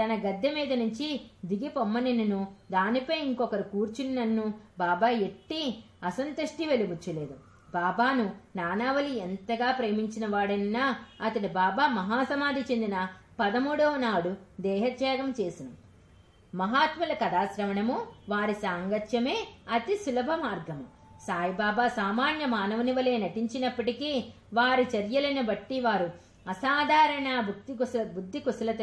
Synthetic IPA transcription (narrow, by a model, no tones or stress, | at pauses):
t̪ɐnɐɡɐd̪ːɐmiːd̪ɐnuɲt͡ʃid̪iɡipomːɐnininud̪aːnipɐjiŋkɔkɐɾikuːɾt͡ʃininɐnːubaːbaːe̞ʈːi | ɐsɐnt̪ɐʂʈiʋe̞liʋut͡ʃːule̞ːd̪u | baːbaːnunaːnaːʋɐlient̪ɐɡaːpɾe̞ːmiɲt͡ʃinɐʋaːɽɐnnːaːɐt̪ɐnibaːbaːmɐɦaːsɐmaːd̪ʱit͡ʃe̞nd̪inɐpɐd̪ɐmuːɽɐʋɐnaːɽud̪ɛːɦɐt̪jaːɡɐmt͡ʃe̞ːsinu | mɐɦaːt̪mɐlɐkɐd̪aːsɾɐʋɐɳɐmuʋaːɾisaːŋɡɐt̪jɐme̞ːɐt̪isulɐbʱɐmaːɾɡɐmu | saːjibaːbaːsaːmaːnjɐmaːnɐʋɐniʋɐle̞ːnɐʈiɲt͡ʃinɐpːɐʈikiː | ʋaːɾit͡ʃɐɾjɐlɐnubɐʈːiʋaːɾu | ɐsaːd̪ʱaːɾɐɳaːbuibud̪ʱːikusɐlɐt̪